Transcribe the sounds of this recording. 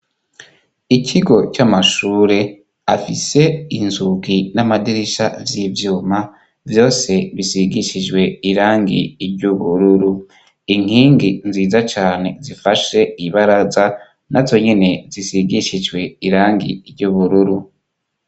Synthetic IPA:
icʰiɡo̞t͡ʃamaʃuːɾe̞ | afise̞inzuɡinamadiɾiʃavjivjuːma | vjo̞ːse̞βisiɡiʃid͡ʒɡwe̞iɾaːŋɡḭiɾjɟuβuɾuɾu | iŋ̥iːŋɡinziːzat͡ʃaːne̞̰zifaʃe̞iβaɾaza | nazo̞ɲene̞zisiɡiʃid͡ʒwe̞iɾaːŋɡḭiɾɟuβuɾuɾu

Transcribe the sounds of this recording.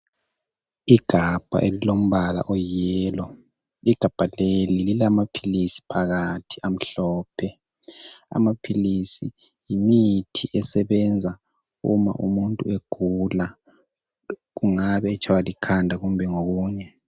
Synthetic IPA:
iɡ̥ʱab̥ʱa̰ʔelilom̩βala̰ʔɔjɛːlɔ | iɡ̥ʱab̥ʱalelililamapʰilisi̥pʰaɣatʰi̥am̩ɬɔːpʰɛ | a̰mapʰilisi | jimitʰiʔɛsɛβɛnd͡zʱa | ṵma̰ʔumuntʼueɡ̥ʱula | ɣuŋaβɛːt͡ʃʰʼawalikʰandʱaɣumbʱɛŋoɣuːɲɛ

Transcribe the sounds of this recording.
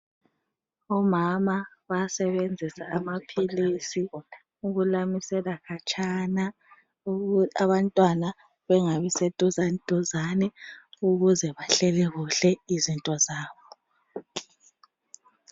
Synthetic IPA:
ɔmamaβasɛβend͡zʱisaʔːmapʰilisi | uɣulamisɛlakʰat͡ʃʼana | uaβantʼwana | βɛŋaβisɛd̥ʼʱuzand̥ʱʼuzanɛuɣuzɛβaɬɛlɛɣuɬɛizintʼɔzaːβɔ

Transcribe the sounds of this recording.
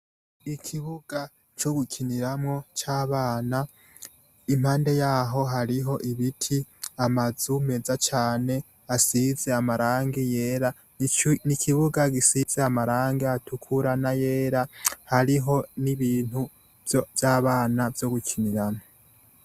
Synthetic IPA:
ikʰiβuɡ̥a | t͡ʃo̞ɡukʰiniɾamŋo̞t͡ʃaːβaːna | im̥haːnde̞jaːɦo̞ɦaɾiɦo̞ʔiβitʰiamazume̞zat͡ʃaːne̞ | asize̞amaɾaːŋɡijeːɾa | nikʰiβuɡaɡisiz̥eamaɾaːŋɡeatukʰuɾanaje̞ːɾahaɾiɦo̞niβiːn̥hu | vjaːβaːnavjo̞ɡukʰiniɾamŋo

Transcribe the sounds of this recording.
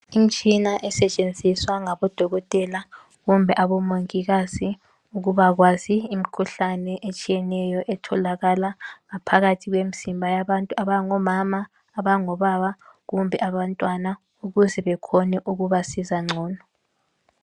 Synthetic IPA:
im̩t͡ʃʼinaʔɛsɛt͡ʃʼend͡zʱiswaŋaβɔd̥ʱɔɣɔtʼɛla | ɣumbʱɛʔaβɔmoŋiɣazi | uɣuβaɣwaziːm̩kʰuɬanɛʔet͡ʃʼijɛnɛjɔʔɛtʰɔlaɣalaŋapʰaɣatʰiɣwem̩simbʱajaβantʼuaβaŋɔmamaː | βaŋɔβaβaɣumbʱɛʔaβantʼwana | uɣuzɛβɛkʰɔnɛʔuɣuβasizaŋ͡ǀʱɔːnɔ

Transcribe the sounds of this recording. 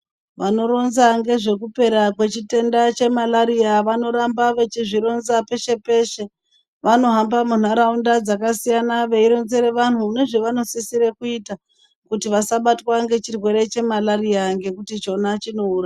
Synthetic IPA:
ʋano̞ɾo̞nzaŋɡe̞ʐe̞kupe̞ɾakwe̞t͡ʃite̞ndat͡ʃe̞malaɾiaʋano̞ɾambaʋe̞t͡ʃiʐiɾo̞nzape̞ʃe̞pe̞ʃe̞ | ʋano̞ɦambamun̤aɾaundad͡zakasijanaʋe̞iɾo̞nze̞ɾeʋan̤une̞ʐe̞ʋano̞sisiɾekuita | kutiʋasaɓatwaŋɡe̞t͡ʃirwe̞ɾe̞t͡ʃe̞malariaŋɡe̞kutit͡ʃo̞nat͡ʃino̞uːra

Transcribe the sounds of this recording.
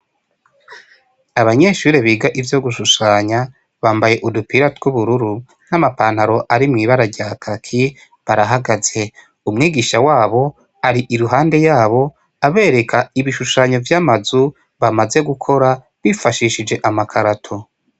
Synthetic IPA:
aβaɲe̞ʃuːɾeβiːɡaʔivjo̞ɡuʃuʃaːɲa | βaːmbaje̞ʔudupiɾatɡuβuɾuɾu | n̥amapaːnhaɾo̞ʔaɾimŋiːβaɾaɾɟaːkʰakʰi | βaɾaɦaɡaze̞ | umŋiːɡiːʃawaːβo̞ | aɾiʔiɾuɦaːnde̞jaːβo̞ | aβe̞ːɾe̞kʰaiβiʃuʃaːɲo̞vjamazu | βamaze̞ɡukʰo̞ɾa | βifaʃiːʃid͡ʒe̞ʔamakʰaɾatʰo̞

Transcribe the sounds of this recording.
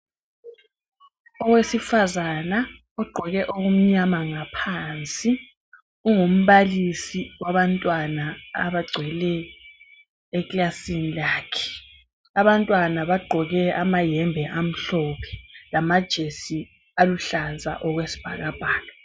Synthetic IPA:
ɔwesifazana | ɔɡ͡ǃʱɔɣɛʔoɣum̩ɲamaŋapʰant͡sʼi | uŋum̩βalisiwaβantʼwana̰ːβaɡ͡ǀʱwɛlɛ | kʼlasinilaːkʰɛ̥ | aβantʼwanaβaɡ͡ǃʱɔɣɛamajɛmbʱɛʔam̩ɬɔpʰɛ̥lamad̥ʒ̥ʱesi | aluɬaza̰ʔɔɣwesi̥b̥ʱaɣab̥ʱaːlɔ

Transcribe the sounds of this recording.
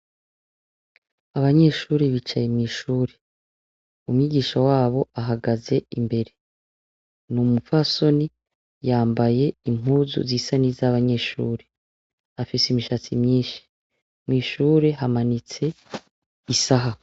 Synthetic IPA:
aβaɲe̞ʃuːɾiβit͡ʃajemŋiːʃuːɾe̞ | umɲiɟiːʃawaːβo̞aɦaɡaze̞imbe̞ɾe̞ | numufaso̞ni | jaːmbaje̞im̥uzṵziːsanizaβaɲe̞ʃṵːɾe̞ | afisimiʃat͡simɲiːʃi̥ | mŋiːʃuːɾe̞ɦamanit͡se̞ | isaɦa

